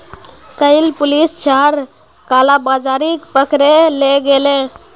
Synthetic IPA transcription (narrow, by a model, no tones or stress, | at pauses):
kəɪlpʊlist͡ʃaɾ | kalabad͡ʒaɾikpəkɾeleɡelẽ